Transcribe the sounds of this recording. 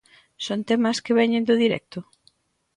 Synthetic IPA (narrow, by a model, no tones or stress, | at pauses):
sont̪ɛmɐskeβɛɲẽnd̪ʊðiɾɛ̰k̚t̪ʊ